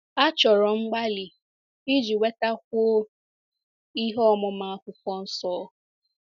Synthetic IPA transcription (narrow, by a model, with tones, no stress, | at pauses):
a˦t͡ʃɔ˨ɾɔ˨ŋ͡m̩˦ɡ͡ba˦li˨ | i˦d͡ʒi˨we˦ta˦k̚ʷo˦ | i˦ɦɔ˦mɔ˨ma˦˨a˦kʷʊ˨kʷɔ˦n̩˦sɔː˦